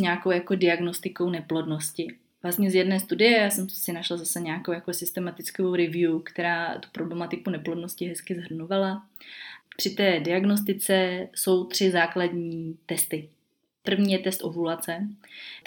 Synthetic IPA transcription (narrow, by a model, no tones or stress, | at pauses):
ɲaːkowjakodɪaɡno̞st̪ɪko̞wnɛplo̞dno̞scɪ | vlast̪ɲɛzjɛdnɛːst̪udɪjɛjaːsɛmsɪnaʃlazasɛɲakowjakosɪst̪ɛmat̪ɪt͡skoowɾɪvjukt̪ɛɾaːt̪u̥pɾo̞blɛmat̪ɪkunɛplo̞dnoscɪɦɛskɪzɦr̩nuvala | pr̥ɪt̪ɛːdɪaɡnos̬t̪ɪt͡sɛso̞wt̪r̝̥ɪzaːkladɲiːt̪ɛst̪ɪ | pr̩vɲiːjɛt̪ɛst̪ʔovulat͡sɛ